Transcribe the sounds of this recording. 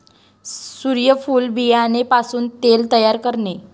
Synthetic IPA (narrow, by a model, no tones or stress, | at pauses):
suɾjəfuːlbijanepasuːnt̪elt̪əjaɾkəɾne